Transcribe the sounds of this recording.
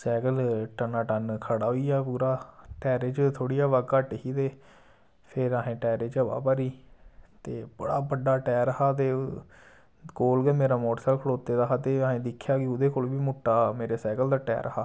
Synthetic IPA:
sɛːɡəlʈənaːʈənkʰəɽaːɦoiːaːpuːɾaːʈɛːɾeːt͡ʃt̪ʰoːɽiːaːʋaɡkaʈɦiːt̪eː | pʰɪɾaːɦẽːʈɛːɾeːt͡ʃəʋa̰ːpaːɾiːt̪eːbəɽaːbəɖaːʈɛːɾəhaːt̪̬eː | koːlɡemeːɾaːmoːʈsaːlkʰəɽoːt̪eːd̪aːɦaːt̪eːəːɦẽːd̪ɪkʰːjaːkiʊd̪eːkoːlʋiːmʊʈːaːmeːɾeːsɛːɡəld̪aːʈɛ̰ːɾʔəhaː

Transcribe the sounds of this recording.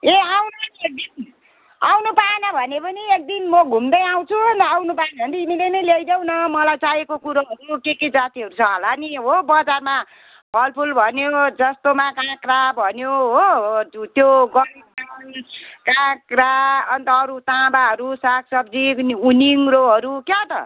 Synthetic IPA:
eawnek̚d̪in | awnupanʌbʱʌnepʌniek̚d̪inmʌɡʱumd̪ʌjaw̃t͡sʰuʌnt̪ʌawnupanɦʌnt̪iimilenʌjlejd̪ʌw̃nʌmʌlajt͡sajekokuɾoɦʌɾukeked͡zat̪iɦʌɾut͡sʰʌɦʌlaniɦobʌd͡zarma | bʱʌlpʰulbʱʌnjod͡zʌst̪omakãkrabʱʌnjoɦot̪joɡʌnɡʌnkãkraʌnt̪ʌːɾut̪ãbaɦʌɾusakʰsʌbd͡ziuniŋɾoɦʌɾukjat̪ʌ̰

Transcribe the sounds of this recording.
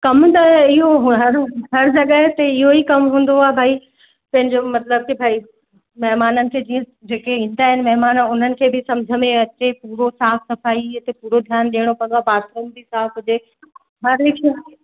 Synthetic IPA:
kɐmt̪ɐɪɦoɦɦɐɾɦɐɾd͡ʑɐɠəɦt̪ɐɪɦoikɐmɦũːn̆d̪oaːebʱaːi | pɐ̃ɦɪ̃ɲd͡ʑomɐt̪ləb̚kibʱaːi | mɐɦmaːnənɪ̆kʰeːd͡ʑiːə̃ | d͡ʑeːkeʋĩːnd̪aːɦɪnɪmɐɦmaːnəʊn̤ənɪ̆kʰeːbʱɪsɐ̃md͡ʑʱəmẽɐt͡ɕepuːɾosaːfʰsɐfaːiɐt̪epuːɾod̪ʱjaːnɗiːəɽ̃opɐ̃nd̪aːbaːsunbʱisaːfɦʊd͡ʑe | ɦɐɾlɪkʰ

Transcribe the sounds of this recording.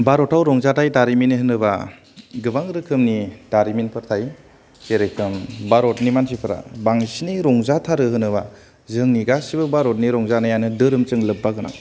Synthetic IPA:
baɾɔtʰawɾɔŋzatʰajdaɾiminiɦɯnɯba | ɡɯbaŋɾɯkʰɯmnidaɾiminpʰɯɾtʰaj | seɾɯjkʰɯmbaɾɔt̚nimansʰipʰɯɾa̰baŋsiniɾɔŋzatʰaɾɯɦɯnɯβa | zɯŋniɡasibɯbaɾɔt̚niɾɔŋzanajanɯdɯɾɯmt͡ʃɯŋlɯbːaɡɯna̰ŋ

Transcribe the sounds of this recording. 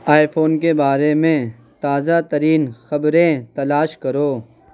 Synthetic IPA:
aːjfoːnkebaːɾemẽ | t̪aːzat̪ɐɾiːnxɐbɾẽt̪ɐlaːʃkɐɾoː

